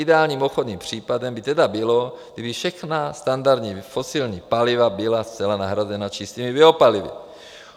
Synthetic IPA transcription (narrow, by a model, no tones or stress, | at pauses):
idɛaːlɲiːmoxod̪niːmpr̝̥iːpadɛmbit̪ɛdabɪloɡd̪ibifʃɛxnast̪and̪aɾd̪ɲiːfosilɲiːpalivabɪlast͡sɛlanaɦɾazɛnat͡ʃist̪iːmibɪɦopalivḭ